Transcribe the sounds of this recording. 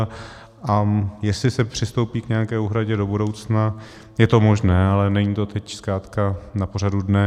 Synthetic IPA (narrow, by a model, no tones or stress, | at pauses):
ʔajɛslɪsɛpr̝̥ɪst̪o̞wpiːkɲɛakɛːuɦɾaɟɛdo̞buɾo̞wt͡sna | jɛt̪o̞mo̞ʒnɛːalɛnɛɲit̪ot̪ʰɛcskɾaːt̪kanaporadudnɛ